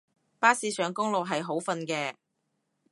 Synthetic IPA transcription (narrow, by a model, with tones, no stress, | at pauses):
paː˥siː˧˥sœː˨˧˥ŋkʊ˥ŋlo˨wɦɐ˨jɦo˨˥wfɐ˧nkɛː˧